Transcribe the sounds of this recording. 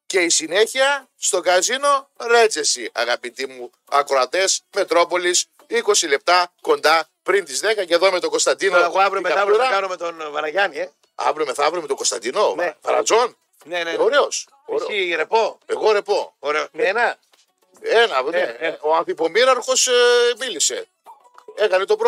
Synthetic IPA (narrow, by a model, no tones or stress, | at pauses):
ce̞isine̞çiɐ | st̪o̞kɐzino̞ɾe̞t͡sesiɐ̰ɣɐpit̪imu | ɐkɾo̞ɐt̪e̞sme̞t̪ɾo̞po̞lis | iko̞sile̞p̚t̪ɐko̞nd̪ɐ | pɾint̪izðe̞kɐceðo̞me̞t̪o̞ɡo̞st̪ɐnd̪inoɐvɾumeɐɐkɐnumet̪onvɐɾɐʝɐnie | ɐ̰vɾomeθɐvɾomet̪oɡo̞st̪ɐ̰nd̪inovɐɾɐ̰zo̞n | neneoɾeos | oɾiɾepoeɣoɾe̞po̞oɾeonɐ | enɐueoɐnfipo̞miɾɐɾxo̞smilise̞̰ | e̞kɐne̞t̪o̞pɾo